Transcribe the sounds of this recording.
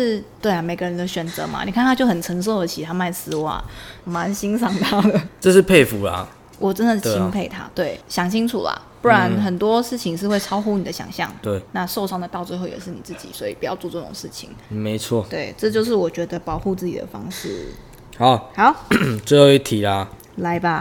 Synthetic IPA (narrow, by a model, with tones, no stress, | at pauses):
ʂɻ̩˥˧t̪we˥˩ɪa˩me˨˩ɪɡə˦ɻə˧˦nd̪ə˧ɕɥɛ˨˩nt͡sɤ̰˧˦ma̰˨˩ni˨˩kʰa˥˩nʰa˥t͡ɕjo˥˩ʊxə˨˩nʈ͡ʂʰə˧˥ŋʂ̬o˥˩ʊd̪ə˩t͡ɕʰi˨˩t̪ʰa˥ma˥˩ɪsɹ̩˧˥wa̰˨˩˦ma˧˥nɕi˥nsɑ˥˩ŋt̪ʰa˥d̪ə˩ʈ͡ʂɤ˥˧ʂ̩˥˧pʰe˥˩ɪfu˨˦lɐ̰˨ | wɔ˨˩ʈ͡ʂə˦nd̪ə˨t͡ɕʰi˥pʰe˥˩ɪt̪ʰa̰˥t̪we˥˩ɪɕjɑ˨˩ŋt͡ɕʰi˥ŋʈ͡ʂʰṵ˨˩lɐ̰˩pu˥˩ɻa˧˦nxə˨˩nt̪wɔ˥ʂɻ̩˥˩t͡ɕʰi˧ŋʂɻ̩˥˧we˥˩ɪʈ͡ʂʰɑ˥ʊxu˥ni˨˩d̪ə˦ɕjɑ̰˨˩ŋɕjɑ̰˥˩ŋt̪we˥˩ɪna˥˧ʂo˥˧ʊʂɑ˥˩ŋd̪ə˨˩t̪ɑ˥˧ʊt͡swe˥˧ɪxo˥˩ʊjɛ̰˨˩ʂ̬ɻ̩˥˩ni˨˩t͡sɹ̩˥˩t͡ɕḭ˨˩swɔ˧˥i˨˩pu˧˩jɑ˥˧ʊt͡swt͡sɤ˥˩ʈ͡ʂʊ̰˨˩ŋʂɻ̩˥˩t͡ɕʰḭ˨˩ŋme˧˥ɪt͡sʰwɔ˥˨t̪we˥˩ɪʈ͡ʂɤ˥˧t͡ɕjo˥˧ʊʂ̬ɻ̩˥˩wɔ˨˩t͡ɕɥɛ˧˥d̪ə˧pɑ˨˩ʊxu˥˧t͡sɹ̩˥˩t͡ɕḭ˨˩d̪ə̰˩fɑ̰˥ŋʂɻ̩˥˩ | ha˨˦ʊha˧˥˦ʊt͡swe˥˧jo˥˧˩i˥t̪ʰi˨˩la˨ | la˧˥ɪba˧